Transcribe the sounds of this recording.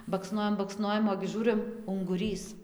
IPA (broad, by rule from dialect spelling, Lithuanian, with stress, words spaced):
bɐkˈsnoːjɛm bɐkˈsnoːjɛm oːɡʲɪ ˈʒuːrɨm ʊŋɡʊˈrʲiːs